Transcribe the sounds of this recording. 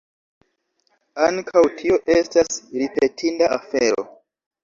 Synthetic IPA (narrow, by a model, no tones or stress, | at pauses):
aŋkʰawtʰio̞ʔestasɾipe̞tʰindaafeɾo̞̰